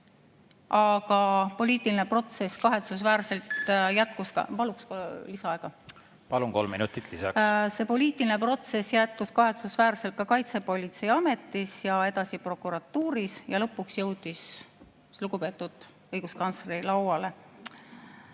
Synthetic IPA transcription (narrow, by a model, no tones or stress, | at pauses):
ʔɑɡ̥ɑpo̞liːt̪ːˑiline̞pro̞t̪se̞skɑɦe̞t̪susvæːɾse̞lt̪jæt̪̚kuskɑ̰pɑluksklisɑɑeɡ̥ɑ | pɑluŋko̞lmḭnut̪ːˑit̪lisɑ̰kse̞po̞liːt̪ˑiline̞pro̞t̪se̞sjæt̪̚kuskɑɦe̞t̪susvæːɾselt̪̚kɑkɑjt̪se̞po̞lʲit̪se̞jɑme̞t̪ːˑisjɑe̞d̪ɑsipro̞kːˑuɾɑt̪ːuːɾisjɑlɤ̞pːˑuksjɤwd̪̥is | luɡupe̞ːt̪ːˑud̪̥ | ɤjɡ̥uskɑnt̪srilɑwɑle̞